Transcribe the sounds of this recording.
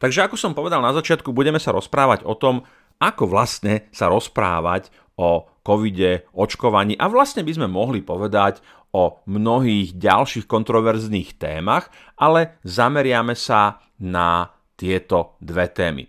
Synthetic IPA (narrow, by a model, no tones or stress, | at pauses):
t̪aɡʒɛakɔsɔmpɔʋɛd̪alnazat͡ʃɪat̪̚kubuɟɛmɛsaɾɔspɾaːʋaɟɔt̪ɔm | akɔʋlast̪ɲɛsaɾɔspɾa̰ːʋa̰c | ɔ | kɔʋiɟɛɔt͡ʃkɔʋaɲiːʔaʋlast̪ɲɛbizmɛmɔɦlipɔʋɛd̪ac | ɔmnɔɦiːɣɟa̰lʃiːxkɔnt̪ɾɔʋɛɾzniːxt̪ɛ̰ːmax | alɛzamɛɾɪamɛsa | na | t̪ɪɛt̪ɔd̪ʋɛt̪ɛːmḭ